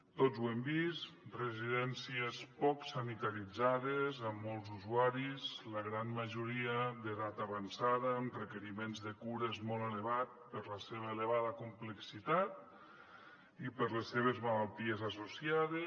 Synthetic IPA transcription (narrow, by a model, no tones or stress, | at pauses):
t̪ozwembist̪rəziðɛnsiespɔksanit̪aɾid͡zaðezəmːɔlˠzuzuaɾizləɣɾanməʒuɾiəðəðat̪aβansaðəːmrəkəɾimenzðəkuɾezmɔlˠeləβat̪pəɾləseβ̞əeləβaðəkumpləksit̪at̪̚ | ipəɾlesːeβ̞ezmalalˠt̪iezasusiaðe